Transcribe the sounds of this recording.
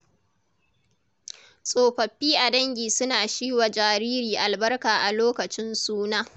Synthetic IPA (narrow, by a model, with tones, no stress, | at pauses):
sʼoː˨ɸɐ˨ɸːiː˦ʔa˨dɐ˦ŋɡʲiː˨sʊ˦naː˨ʃiː˦wa˨d͡ʒaː˨ɾiː˦ɾiː˨ʔa˨lbɐ˦rkaː˨ʔa˨loː˦kɐ˨t͡ʃɪ˦nsuː˦naː˦